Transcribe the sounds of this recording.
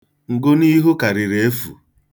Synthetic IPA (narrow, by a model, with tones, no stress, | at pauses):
ŋ̩˨ɡʊ˦ni˦ɦʊ˦ka˨ɾɪ˨ɾe˨e˦fṵ˨